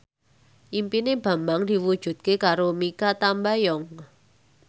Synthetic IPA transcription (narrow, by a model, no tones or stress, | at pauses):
ʔimpineb̥a̤mbaŋd̪̥i̤wud̥ʒ̥ṳt̪̚kekaɾomikat̪ambajɔŋ